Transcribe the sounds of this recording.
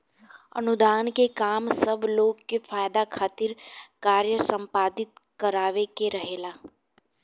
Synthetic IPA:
ə̰nʊd̪aːnkekaːmsəbʱloːɡkefaːjd̪akʰaːt̪ɪɾkaːɾjəsə̃mpaːd̪ɪt̪kəɾaːʋekeɾəɦeːlaː

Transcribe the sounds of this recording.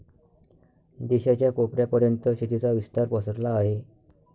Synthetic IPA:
d̪iɕat͡ɕjakopɾjapəɾjənt̪əɕit̪it͡saʋist̪aɾpəsəɾlaːɦe

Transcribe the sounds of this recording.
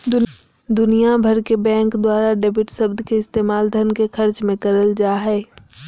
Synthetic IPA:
d̪ʊ | d̪ʊnijabʱəɾkebɛ̃ːŋkd̪waːɾaɖeːbɪʈsɐbd̪ʱkeɪst̪eːmaːld̪ʱɐnkexɐɾt͡ʃmẽkɐɾəld͡ʒaːɦɛː

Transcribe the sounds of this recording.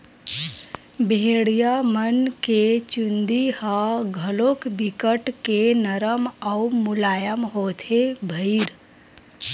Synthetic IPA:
bʱeɽijamənket͡ʃund̪ihəɡʱəlokbikəʈkenəɾəmaumulajəmɦot̪ʰebʱəɪɾ

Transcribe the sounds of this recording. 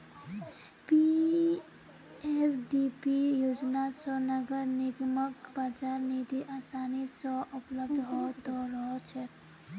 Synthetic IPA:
pi | epɖipijod͡ʒnasɔ̃nəɡəɾniɡməkbad͡ʒaɾnid̪iʔasanisɔ̃ʔəpləbd̪ʱɦɔt̪ɔɾəɦɔt͡ʃʰɛ

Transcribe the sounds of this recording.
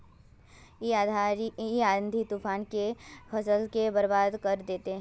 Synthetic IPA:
iaːə̃nd̪ʱit̪upaːnkefʰɐsəlkebɐɾbaːd̪kɐɾd̪eːt̪eɦɛ̃

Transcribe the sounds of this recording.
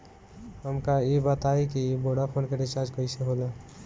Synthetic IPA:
ɦəmkaebət̪aikiboɽapʰonkeɾɪt͡ʃaɾd͡ʒkəjseɦolə

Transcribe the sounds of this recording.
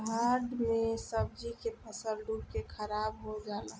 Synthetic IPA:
ɦaɾɖmẽsəb̚d͡ʒikepʰəsəlɖuɽkekʰəɾabɦod͡ʒala

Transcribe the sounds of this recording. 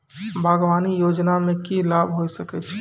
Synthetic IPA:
bʱaɡʋaːnijoːd͡ʒnamẽkilaːbʱɦosəkɛt͡ʃʰ

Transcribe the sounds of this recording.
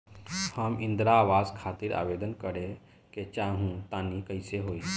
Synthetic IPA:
həmɪ̃nd̪ɾaːʋaːzkʰaːt̪iɾʔa̰ːʋeːd̪ənkəɾe | ket͡ʃaːɦũt̪aːnikəɪseɦoːi

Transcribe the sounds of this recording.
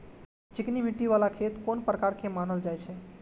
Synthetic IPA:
t͡ʃiknimiʈːiʋalakʰet̪konpɾəkaɾkʰemanəld͡ʒajt͡ʃʰɛ

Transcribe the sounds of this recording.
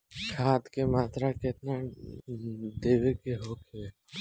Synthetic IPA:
ʃʰaːt̪kemaːt̪ɾaket̪na | d̪eːʋekeɦokʰee

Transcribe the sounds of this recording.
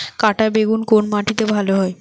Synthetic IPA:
kaʈabeɡunkonmaʈʰit̪ebʱaloɦɔe

